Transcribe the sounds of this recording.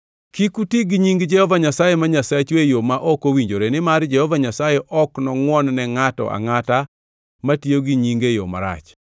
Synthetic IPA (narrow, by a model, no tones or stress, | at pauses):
kikutiɡiɲiŋɡd͡ʒɛhɔvaɲasajemaɲasat͡ʃwejomaʔɔkowiɲd͡ʒoɾenɪmaɾd͡ʒɛhɔvaɲasajɛʔɔknɔŋwɔnnɛŋatɔ̰ʔa̰ŋata | matioɡiɲiŋɡejo̰ma̰ɾa̰t͡ʃ